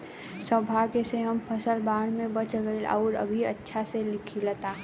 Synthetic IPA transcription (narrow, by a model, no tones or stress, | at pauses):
səbʱaːɡeseɦɐmpʰəsəlbaːɽ̃mẽbət͡ʃɡəilɔ̰ːɾə̰bʱiətːʃʰaselɪkʰilət̪aː